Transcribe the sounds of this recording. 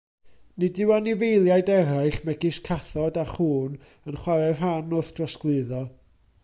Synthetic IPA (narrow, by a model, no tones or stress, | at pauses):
nɨdɪwanivejlˠjajdɛɾajɬmɛɡɪskʰaθɔdaχuːn | ənχwaɾɛv̥ɦanʊθd̥rɔsklˠɨðɔ